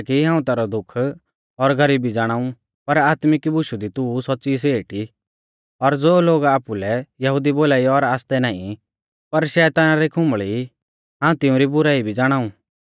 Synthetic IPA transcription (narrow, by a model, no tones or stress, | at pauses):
kiɦãːũt̪ɛːɾɔd̪ʊkʰ | ɔɾɡʱɐɾiːbid͡zaːɽ̃aːũ | pɐɾaːt̪mɪkibʊʃud̪it̪usɔtːsis̬eːʈi | ɔɾd͡zoːloːɡaːpulɛjɐɦʊd̪iboːlaːiɔɾaːst̪ɛnaːḭ̃ | pɐɾʃɛːt̪aːnaɾikʰʊ̃mbɭi | ɦãːũt̪ɪ̃ũɾibʊɾaːibʱid͡zaːɽ̃aːũ